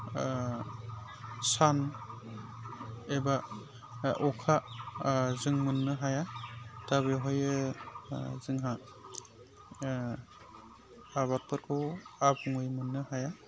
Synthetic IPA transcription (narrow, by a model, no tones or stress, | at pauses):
san | eba | ʔɔkʰa | zɯŋmɯnːɯɦajataβeɦɔjɯ | zɯŋɦa | aβat̚pɯɾkʰɯabuŋɯjmɯnːɯhaja